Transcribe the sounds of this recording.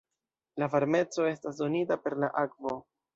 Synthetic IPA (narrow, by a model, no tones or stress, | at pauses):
lavaɾme̞t͡so̞e̞stasdo̞nitape̞ɾlaʔakvo̞